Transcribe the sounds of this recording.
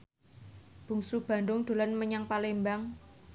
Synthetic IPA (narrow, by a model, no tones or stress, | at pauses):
b̥ṳŋsub̥a̤nd̪ʊŋd̪̥o̤lanməɲaŋpalembaŋ